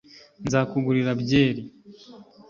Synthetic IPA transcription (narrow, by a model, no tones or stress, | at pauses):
nzakuɡuɾiɾabɟeːɾi